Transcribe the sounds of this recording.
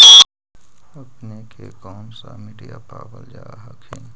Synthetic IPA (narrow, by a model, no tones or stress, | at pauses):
əpnekʰekɔːmsamiːɖijapaːbəld͡ʒaːɦakʰẽ